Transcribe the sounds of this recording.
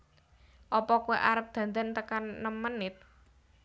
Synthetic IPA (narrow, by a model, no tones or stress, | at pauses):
ʔɔpɔkuwḛʔaɾəp̚d̪̥ä̤nd̪ant̪əkanːəmənɪt̪̚